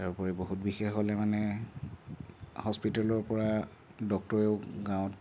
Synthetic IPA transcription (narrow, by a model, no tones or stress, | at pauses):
taɹpɔɹɛboɦutbixexɦɔlɛmanɛ | hɔspitalɔɹpɔɹa | dɔk̚tɔɹeʊɡãw̃ɔt